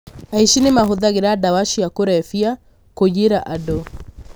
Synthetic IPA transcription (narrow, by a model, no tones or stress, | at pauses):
aiʃinimaɦuðaɣiɾadawaʃiakuɾafia | koɟiɾaʔadɔ